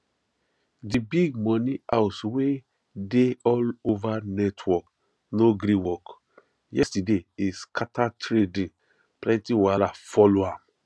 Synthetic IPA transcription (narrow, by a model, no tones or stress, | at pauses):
dibiɡmɔ̃niaʊswe | deɔlovanɛtʰwɔk | noɡɾĩnwɔk | jɛstadeiskʰatʰatɾedĩ | plɛ̃ntĩwalafɔloãm